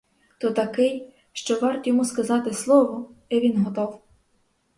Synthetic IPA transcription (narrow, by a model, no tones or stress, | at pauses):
t̪ɔt̪ɐkɪj | ʃt͡ʃɔʋɑrt̪jɔmuskɐzɑt̪ɪslˠɔʋɔiʋʲinɦɔt̪ɔw